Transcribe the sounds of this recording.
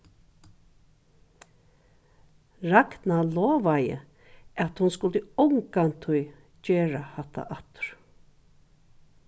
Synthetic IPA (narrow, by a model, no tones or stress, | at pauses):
ɹaknnalɔːʋajə̰ | at̪hʊnskʊlt̪əɔŋkant̪ʰʊj | t͡ʃeːɹahat̪ʰːa̰ʔat̪ʊ̥ɹ̥